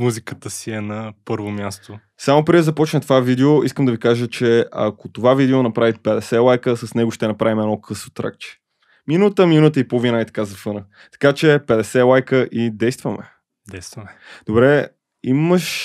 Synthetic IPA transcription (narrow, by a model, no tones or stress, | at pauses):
muzikət̪əsiɛnɐpɤɾvomʲjast̪o | samopɾɛd̪ɛzɐpɔt͡ʃnət̪ovavid̪ɛoiskəmd̪ɐvikaʒət͡ʃɛɐ̰kot̪ovavid̪ɛonɐpɾavit̪̚pɛd̪ɛsɛlˠajkəsɐsnɛɡoʃt̪ɛnɐpɾavimɛnɔkɤsvot̪ɾa̰k̚t͡ʃɛ̥ | minut̪əminut̪əipovinait̪ɐ̥kazɐfɤnə | t̪ɐ̥kat͡ʃɛpɛd̪ɛsɛlˠajkəʔid̪ɛjst̪vɐmɛ̰ | d̪ɛjst̪vɐmɛd̪̥obɾɛ | iməʃ